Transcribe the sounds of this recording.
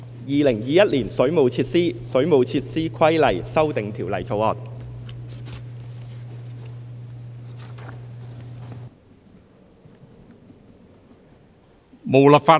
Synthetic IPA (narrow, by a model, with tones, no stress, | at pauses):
jiː˨˧lɪ˨˩ŋjiː˨jɐ˥t̚liː˨˩nsɵ˨˥ɥmo˨˧wt͡sʰiː˧t̚siː˥sɵ˨˥ɥmo˨˧wt͡sʰiː˧t̚siː˥kʰɐ˥jlɐ˨˩jsɐ˥wt̪ɪ˨˧ŋt̪ʰiː˨˩wlɐ˨˩jt͡sʰo˨˧wɔː˨k̚ | mo˨wlɐ˨pfaː˧